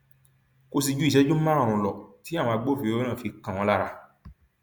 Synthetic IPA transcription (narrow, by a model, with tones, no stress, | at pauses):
ko˧s̬i˧d͡ʒu˦i˦˨ʃɛ˨˦d͡ʒũ˦mã˦ɾã˦˨ɾũ˨˧lɔ˨ti˨˦a˦˨wɔ̃˧a˧ɡ͡bo˦fi˧o˧˦e˦nã˦˨fi˧kã˨w̃ɔ̃˧la˦˧ɾa˧